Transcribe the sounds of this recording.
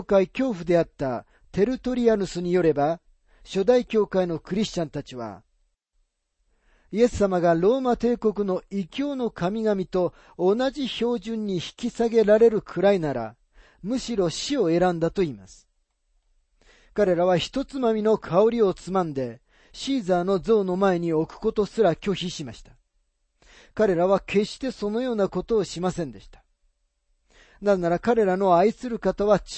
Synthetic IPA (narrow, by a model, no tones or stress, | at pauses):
kaikʲo̞ːɸɯ̟d̪e̞at̪ːa | t̪e̞ɾɯ̟t̪o̞ɾʲiaɾɯ̟sɨɲ̟ijo̞ɾe̞ba | ɕo̞d̪aikʲo̞ːkaino̞kɯ̟ɾʲiɕt͡ɕãnt̪at͡ɕiβa̰ | ie̞sːamaɡaɾo̞ːmat̪e̞ːko̞k̬ɯ̟no̞ikʲo̞ːno̞kamʲiɡamʲit̪o̞ː | naʑiço̞ːʑɨ̃ɲ̟ːiçi̥kʲisaɡe̞ɾaɾe̞ɾɯ̟kʰɯ̟ɾainaɾa̰ | mɯ̟ɕiɾo̞ɕio̞e̞ɾãnd̪at̪o̞iːmasɨ̥ | kaɾe̞ɾaβ̞açi̥t̪o̞t͡sɨmamʲino̞kʰao̞ɾʲio̞t͡sɨmãnd̪e̞ | ɕiːzaːno̞zo̞ːno̞mae̞ɲ̟io̞kɯ̟̥ko̞t̪o̞sɨɾakʲo̞çiɕimaɕi̥t̪ḁ | kaɾe̞ɾaβ̞ake̞ɕt̪e̞so̞no̞jo̞ːnako̞t̪o̞ːɕimasẽ̞nd̪e̞ɕi̥t̪ḁ | nazenaɾakaɾe̞ɾano̞aisɨɾɯ̟kat̪aβat͡ɕ